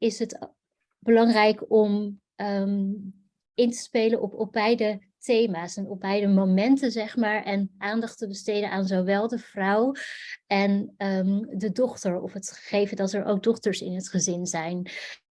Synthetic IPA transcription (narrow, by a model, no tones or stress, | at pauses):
ɪsɦət | b̥əlɑŋrɛjkɔm | ə | ɪntə̥spejlənʔɔpɔb̚bɛjdə | tejmaːsɛnɔb̚bɛjdəmomɛntənzɛχmaːɹʔɛnʔaːndɑχtəbəstejdənʔaːnzowʋɛlˠdəv̥rʌw | ɛn | dədɔχtəɹɔ̰fɦətə̥χejvəndɑtɛɹʔo̰wk̚dɔχtəɹsɪ̰nɦətχəzɪnzɛjn